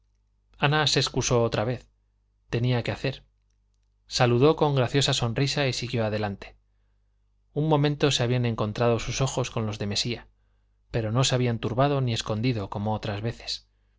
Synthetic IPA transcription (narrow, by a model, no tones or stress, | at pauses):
anase̞ːskuso̞ot̪ɾaβe̞θ | t̪e̞niake̞aθe̞ɾ | saluðo̞ko̞ŋɡɾaθjo̞saso̞nrisaisiɣjo̞að̞e̞lant̪e̥ | unmo̞mẽ̞nt̪o̞seaβianẽ̞ŋko̞nt̪ɾað̞o̞suso̞xo̞sko̞nlo̞zðe̞me̞sia | pe̞ɾo̞no̞se̞aβiant̪uɾβaðo̞nie̞sko̞nd̪iðo̞ko̞mo̞ot̪ɾazβe̞θe̞̥s